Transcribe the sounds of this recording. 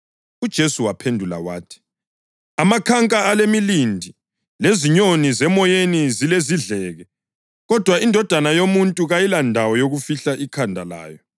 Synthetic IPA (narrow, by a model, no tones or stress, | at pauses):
ud̥ʒ̥ʱesuwapʰendʱula̰wa̰ːtʰi̥ | amakʰaŋkʼaalemilindʱi | leziɲonizɛmɔjenizileziɮɛːɣɛ | ɣɔd̥ʱwaindʱɔd̥ʱanajomuntʼuɣajilandʱawɔjoɣufiɬaʔikʰandʱala̰ːjɔ